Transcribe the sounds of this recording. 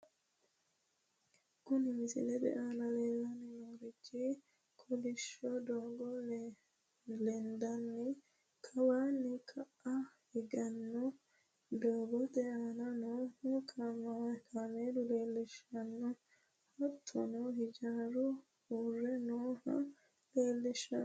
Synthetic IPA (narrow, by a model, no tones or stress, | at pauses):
kʊnɪmɪsɪ̰lɛd̪ɛ̰ʔanɐleːlːɐnɛnoːɾɪt͡ʃːɪ | kʰɔlɪʃɔd̪oːɡɔ | lɛnd̪ɐnːɪ | kʰɐwaːnːɛkʰɐʔɐhɪɡɐnːɔ | d̪oːɡɔd̪ɛʔanɐnoːhɔkʰɐmakʰameːd̪ʊle̞ːlːɪʃɐnːɔ | hɔt̪ʰːɔ̰nɔɦɪd͡ʒaːɾʊ | huːrːɛnoːhɐ̰ | leːlːɛʃɐ